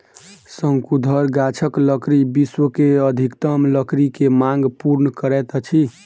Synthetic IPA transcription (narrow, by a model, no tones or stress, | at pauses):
səŋkud̪ʱəɾɡat͡ʃʰəkləkɾibiswəkeəd̪ʱikt̪əmləkɾikemãŋɡpuɾnəkəɾɛt̪t͡ʃʰi